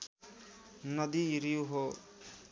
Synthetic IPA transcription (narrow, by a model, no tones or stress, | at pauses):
nʌd̪iɾijuɦo